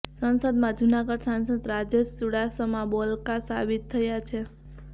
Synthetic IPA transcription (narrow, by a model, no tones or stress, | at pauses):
sənsəd̪mãd͡ʒunaɡəɽsãnsəd̪ɾad͡ʒeʃsuɽasəmãbɔlkasa̰bit̪ʰːəjat͡ʃʰe